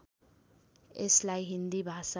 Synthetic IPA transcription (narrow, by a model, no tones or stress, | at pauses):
eslajɦind̪ibʱasa